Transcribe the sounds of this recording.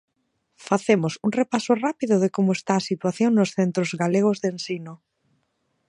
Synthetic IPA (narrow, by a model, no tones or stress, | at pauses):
faθemʊsuŋrepasʊrapiðʊðɪkomʊest̪aːsit̪waθjoŋnosθent̪ɾozɣaleɣ̞ozðensinʊ